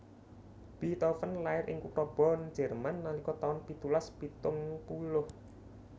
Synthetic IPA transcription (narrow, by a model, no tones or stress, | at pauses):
b̥it̪ɔfənlaɪɾʔɪ̰ŋkutɔb̥ɔ̤n̥d͡ʒ̥ɛ̤rmanːalikɔt̪aʊnpit̪ulaspit̪ʊŋpulʊh